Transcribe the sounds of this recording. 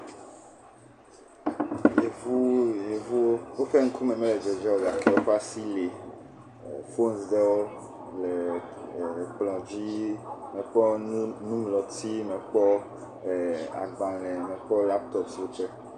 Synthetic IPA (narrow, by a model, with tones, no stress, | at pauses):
je˨vu˦je˨vu˦wo˦wo˦fɛ˦ŋ̩˦ku˦mɛ̃˨mɛ̃˦lɛ˨d͡ʒɛ˨d͡ʒɛ˦wo˦ɡa˨kɛ˦wo˦ɸa˦si˦le˨ | fo˦nsdɛ˦wo˦ | le˨ | k͡plɔ̃˨d͡ʑi˦mɛ̃˨k͡pɔ˦nũ˦mlɔ˨t̪i˦mɛ̃˨k͡pɔ˦˨ | a̰˨ɡ͡bã˨lɛ̃˨mɛ̃˨k͡pɔ˦la˦p̚t̪ɔ˦psi˦wo˦ɸɛ˦